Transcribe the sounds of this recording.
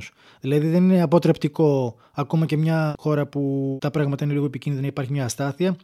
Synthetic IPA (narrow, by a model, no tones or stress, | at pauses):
s | ðilɐðiðe̞nine̞ɐpo̞t̪ɾe̞pt̪iko̞ | ɐko̞mɐce̞mɲɐxo̞ɾɐput̪ɐpɾɐɣmɐt̪ɐinliɣo̞epicinðiðnɐipɐɾçimɲɐːst̪ɐθiɐ